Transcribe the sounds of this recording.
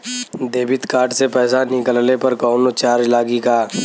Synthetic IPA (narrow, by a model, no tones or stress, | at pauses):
d̪eːbɪt̪kaːɾʈsepɛːsanɪkəlnepɐɾkɔːnot͡ʃaːɾd͡ʒlaːɡikaː